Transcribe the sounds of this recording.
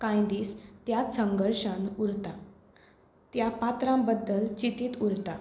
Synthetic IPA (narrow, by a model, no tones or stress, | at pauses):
kãjd̪iːst̪jat̪səŋɡəɾʂənuɾt̪a | t̪japat̪ɾãmbəd̪ːəlt͡ɕit̪iːt̪uɾt̪a